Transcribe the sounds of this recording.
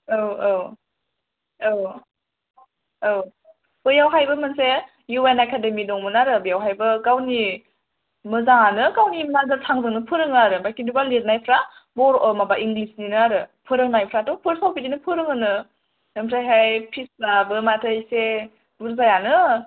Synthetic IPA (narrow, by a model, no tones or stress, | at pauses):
ɯwaw | aw | b̥ɯjawɦajbɯmɯnse | juenakʰademidɔŋmɯnaɾɯbɯjawɦajbɯkawni | mɯzaŋanɯkawnimazatʰaŋzɯŋnɯpʰɯɾɯŋaɾɯbajkindubalet̚najpʰɾa | bɔɾmabaʔiŋɡlisninɯaɾɯpʰɯɾɯŋnajpʰɾatɔpʰɯɾsawpidinɯpʰɯɾɯŋɯnɯ | emʰɾʰajɦajpʰislabɯmatʰɯjse | buɾzajanɯ